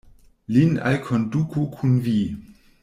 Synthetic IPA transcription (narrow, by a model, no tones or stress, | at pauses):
lina̰lkʰondukʰukʰunvi